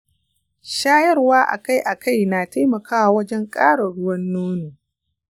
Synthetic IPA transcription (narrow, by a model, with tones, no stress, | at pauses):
ʃaː˦jɐ˦rwaː˦ʔa̰˨ka˦jʔa˨kʰa˦˨jnaː˨ta˦mɐ˨kʰaː˦wa˨wɐ˦d͡ʒɛ˦ŋkʼaː˦ɽɐ˨ɽʊ˦wɐ˦nːoː˦niː˨